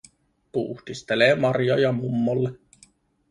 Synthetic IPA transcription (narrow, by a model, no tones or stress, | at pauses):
pṵhd̪̥ist̪eleːmɑrjojɑmumːolːe